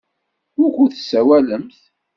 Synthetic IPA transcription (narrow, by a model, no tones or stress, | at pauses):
ʊɾkʷuθsːæwæləmθ